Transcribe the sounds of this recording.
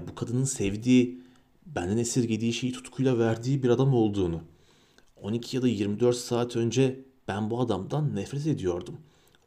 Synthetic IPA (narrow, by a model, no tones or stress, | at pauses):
bukʰad̪ɯnɯnsɛvd̪iː | bænd̪ɛnesiɾɟe̞d̪iːʃe̞jit̪ʰu̥t̪kʰujlˠavæɾd̪iːbiɾad̪amo̞lˠd̪uːnu | o̞nicʰijad̪ajiɾmid̪øɾt̪saːt̪ʰønd͡ʒɛ | b̥ænbuad̪amd̪anːɛfɾɛt̪e̞d̪ijo̞ɾd̪um